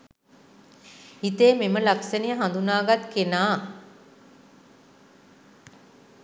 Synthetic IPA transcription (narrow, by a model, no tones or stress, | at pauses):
it̪eːmeməlaksənijəɦand̪unaːɡat̪kenaː